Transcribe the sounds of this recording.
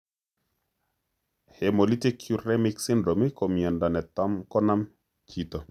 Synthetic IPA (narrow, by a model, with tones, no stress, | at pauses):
hɛ˨mo˨li˦ti˦kʰju˦˨ɾɛ˦mi˦ksi˦ndɾo˨mi˦ko˨mie˨nda˨nɛ˨tɔ˦mkɔ˦na˦m | kʰi˨t̪o˨